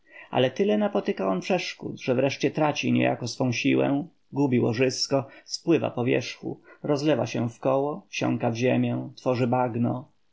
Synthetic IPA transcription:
ʔa̰lɛt̪ɘlɛnapɔt̪ɘkaʔɔnpʂɛʂkṵt̪ʐ̥ɛvɾɛʂt͡ɕɛt̪ɾat͡ɕiɲɛ̰ja̰kɔsfɔ̃w̃ɕiwɛ̰̃ | ɡubʲiwɔʐɘskɔspwɘva̰pɔvʲjɛ̰ʂxṵɾɔzlɛva̰ɕɛ̃fkɔwɔfɕɔ̰̃ŋkavʑemʲjɛ̃t̪fɔʐɘbaɡnɔ

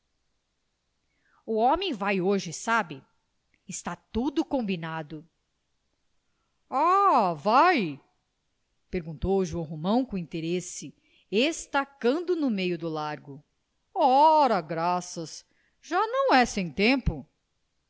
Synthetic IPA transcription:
ʊɔmẽj̃vajoʒɪsabɪ | ɪst̪at̪ud̪ʊkõmbinad̪ʊ | avaj | peɾɡũnt̪owʒuɐ̃w̃ɦomɐ̃w̃kõĩnt̪eɾesɪ | est̪akɐ̃nd̪ʊnʊmejʊd̪ʊlaɾɡʊ | ɔɾɐɡɾasɐs | ʒ̥anɐ̃w̃ɛsẽj̃t̪ẽmpʊ

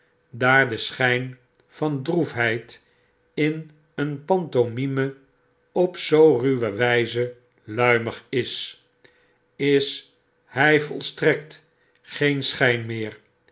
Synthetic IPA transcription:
daːɹdəsχɛjn | fɑndrufɦɛjt | ɪn | ənpɑntonimə | ɔpsowryʋəʋɛjzə | lœɥməχɪs | ɪs | hɛjvɔ̰lˠstrɛkt | χejnsχɛjnmɪːɹ

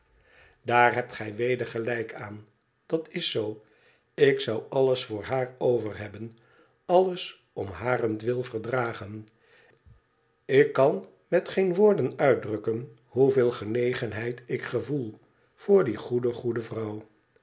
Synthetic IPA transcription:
daːɹɦɛp̚tχɛjʋejdəɹχəlɛjkʰaːn | d̥ɑtɪsow | ɪksʌwɑləsfʊːɹɦaːɹowvərɦɛbən | ɑləs | ɔmɦaːrəndʋɪlˠvəɹdraːχən | ɪkːɑn | mɛtχejnʋʊːɹdənœɥ̚drɵkən | ɦuvɪːlˠχənejχənɦɛjtɪkχəvulˠ | v̥ʊːɹdiχudəχudəvrʌw

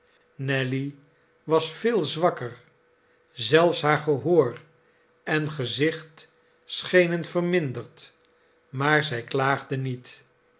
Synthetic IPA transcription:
nɛli | ʋɑsfɪːlˠzʋɑkər | zɛlˠfsɦaːɹχəɦoːr | ɛnχəzɪχt | sχejnənfərmɪndəɹt | maːɹzɛjklaːχdənit

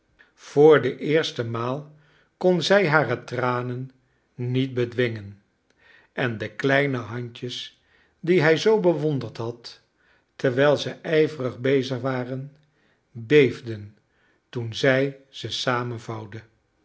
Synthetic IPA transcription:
v̥oːɹdəʔɪːɹstəmaːlˠ | konzɛjɦaːrətraːnənː | it̚bədʋɪŋən | ɛndəklɛjnəɦɑɲcəs | diɦɛjzowbəʋɔndəɹtɦɑtː | əɹʋɛlˠzəʔɛjvərəχbejzəχʋaːrən | bejvdən | tunzɛjz̥əsaːmənvɑwdə

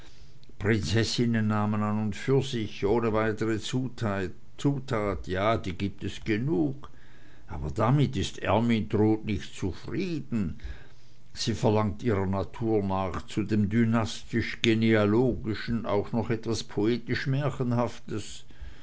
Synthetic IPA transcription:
pʁ̥ɪnt͡sɛsɪnənːaːmənanʊntfyːɐzɪçʔoːnəvaɪtəʁə | t͡suːtʰaːtjaːd̥iːɡiːp̚tɛsɡ̥ənuːk | ʔa̰ːbɐdamɪtɪstɛ̰ɐmindʁoːtnɪçtt͡sufʁiːdn̩ | z̥iːfɛɐlaŋ̚tʔiːʁɐnatʰuːɐnaːχt͡sudeːmdynastɪʃɡ̥enealoːɡɪʃən̩a̰ʊxnɔχɛtv̥aspʰoeːtɪʃmɛɐçənhaftəs

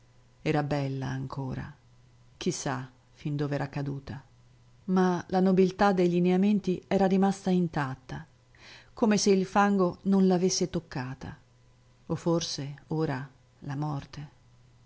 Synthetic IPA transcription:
ɛːɾabɛlːa̰ːŋkʰoːɾa̰ | k̟isːa | find̪oːvɛɾʔakːad̪uːt̪a | malanobilt̪ad̪ːeʎineament̪iɛːɾaɾimast̪aint̪at̪ːa | koːmeseilfaŋɡononlavesːet̪okːaːt̪ʰa̰ | ofːorseoːɾa | lamɔrt̪e

